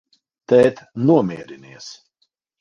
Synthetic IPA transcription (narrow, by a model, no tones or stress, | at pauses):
t̪ɛːt̪nuɔmiɛɾiniɛs